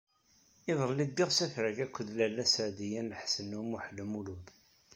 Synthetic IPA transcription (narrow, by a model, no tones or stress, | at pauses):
ɪðˤɾˤəlːid̪ːɪʁsæθɾəɡækʷːəðlælːæsəʕd̪ijænləħsənːumuħələmuluð